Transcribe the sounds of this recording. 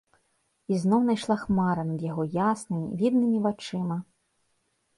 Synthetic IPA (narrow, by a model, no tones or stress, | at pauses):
iznɔwnajʂlˠaxmaɾɐnɐd̪jaɣɔjasnɨmʲḭvʲid̪̚nɨmʲivat͡ʂɨmɐ